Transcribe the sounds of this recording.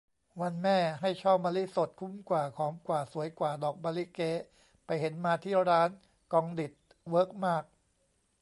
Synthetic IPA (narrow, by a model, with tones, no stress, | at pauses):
wa˧nmɛː˥˩ɦa˥˩jt͡ɕʰɔː˥˩p̚maː˧li˦˥so˨˩t̪̚kʰu˧˥˩mkwaː˨˩kʰɔː˩˦mkwaː˨˩su˨˩˦əjkwaː˨˩dɔː˨˩k̚maː˧li˦˥keː˦˥ | pa˧jhe˩˦nmaː˧t̪ʰiː˥˩ɾaː˦˥n | kɔː˧ŋdi˨˩t̪̚ | wɤː˦˥k̚maː˥˩k̚